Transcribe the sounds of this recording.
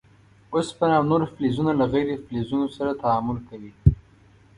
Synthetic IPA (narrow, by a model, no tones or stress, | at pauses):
ospənawnoɾflizunalaɣajɾeflezunosaɾat̪aamʊlkawi